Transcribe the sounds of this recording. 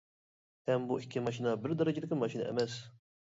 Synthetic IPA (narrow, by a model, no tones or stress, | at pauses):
ɛmbuʔikːimɐʃ̬iːnɐbɪɾd̪ɐɾˤɐd͡ʒit̪ikɪlmɐʃiːnɐʔɛ̰mɛsː